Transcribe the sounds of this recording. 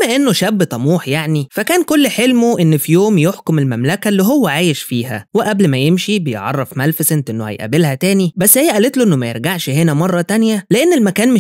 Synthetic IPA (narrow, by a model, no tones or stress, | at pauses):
mːæʔenːoʃæbːt̪ˤɑmuːħjaʕnifækæːnkolːħelmoʔenːfijoːmjoħkomelmæmlækælːiɦowːæʕaːjeʃfiːhæweʔæblmæjemʃibejeʕɑ̰rˤːɑfmælfsent̪ʔenːohæ̰jʔæ̰belhæt̪æːnibæsːhejːæʔælet̪loʔenːomæjḛɾɡaʕʃhenæmɑrˤːɑt̪ænjæleʔenːelmækæːnme